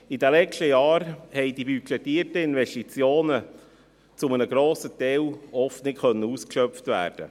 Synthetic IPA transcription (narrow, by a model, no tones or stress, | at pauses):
idælɛt͡ʃtəjɑːɾhɛɪdibykʰɛtiːrtəɪnvɛstit͡sjoːnə | t͡sʊmənəɡɾoːsətɛlɔftnɪkχœnːəuskʃœpft̪væ̰ːrd̥ə̰